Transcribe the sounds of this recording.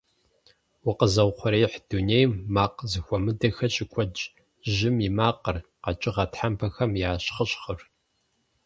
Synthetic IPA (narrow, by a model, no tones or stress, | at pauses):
wʊqəzɐwqʷɔɾeːħd̥unejmːaːqzɨxʷɔmɨdɐxɐɕʼɪkʷʰɔd͡ʒ | ʒɪmimaːqərqɐt͡ʃʼɪʁɐtħampʰɐxɐmjaːɕχəɕχər